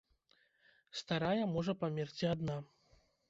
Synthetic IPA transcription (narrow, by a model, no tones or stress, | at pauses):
st̪aɾajɐmɔʐɐpamʲɛrt͡sʲiad̪na